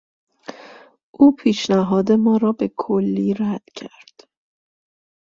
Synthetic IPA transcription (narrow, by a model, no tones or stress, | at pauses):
ʔuːpʰiːʃnæɦɒːd̪e̞mɒːɾɒːbe̞kʰolːiːɾæd̪̥cʰæɾd̪̥